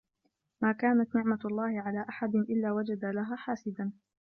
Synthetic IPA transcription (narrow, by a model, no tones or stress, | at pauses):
maːkaːnat̪nɪʕmalˤːɑːhɪʕalaːʔaħad̪ɪnʔɪlːaːwad͡ʒad̪alaɦaːħaːsɪd̪an